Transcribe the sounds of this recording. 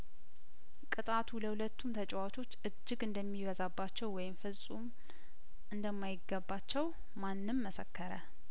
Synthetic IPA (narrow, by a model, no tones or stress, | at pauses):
kʼɨt̪ʼat̪ʰuhuləhulət̪ːumt̪ʰət͡ʃʼɛwat͡ʃʰo̞t͡ʃːɨd͡ʒːɪɡɨnd̪əmːiβəzabːat͡ʃːɛwwːɔjɪmfɨsʼum | ʔɨnd̪əmːajɪɡːəbːat͡ʃːɛw | manːɨmːəsə̰kʰːəɾə̰